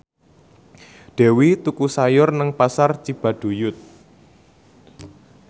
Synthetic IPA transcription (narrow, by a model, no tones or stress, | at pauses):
ɖ̪̥e̤wit̪ukusajʊrnəŋpasart͡ʃib̥a̤ɖ̥ṳjʊt̪̚